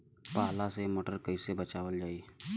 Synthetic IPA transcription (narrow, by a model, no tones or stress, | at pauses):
paɦlasemoʈəɾkəjsebət͡ʃaʋəld͡ʒae